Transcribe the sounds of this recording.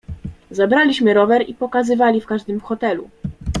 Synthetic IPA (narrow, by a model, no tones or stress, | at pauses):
zabɾalʲiɕmɘɾɔvɛɾipɔkazɘvalʲifkaʐd̪ɘmxɔt̪ɛlṵ